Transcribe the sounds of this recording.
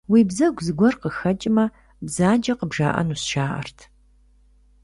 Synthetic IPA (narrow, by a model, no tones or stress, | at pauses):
wiːbzɐɡʷzɨɡʷɔrqəxɐt͡ʃʼɪmɐ | bzaːd͡ʒɐqəbʒaːʔɐ̰nuːsʃaːʔɐ̰rtʰ